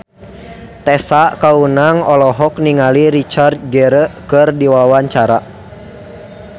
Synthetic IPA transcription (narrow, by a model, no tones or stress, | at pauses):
t̪ɛsaʔkaunaŋɔlɔɦɔk̚niŋaliɾit͡ʃart̪̚ɡəɾəʔkɨrdiwawaɲt͡ʃaɾa